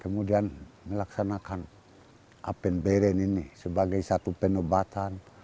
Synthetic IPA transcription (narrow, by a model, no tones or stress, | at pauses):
kəmudianmɛlaksanakan | ʔa̰pɛnbɛɾɛninisɛbaɡajsat̪upɛnɔbat̪an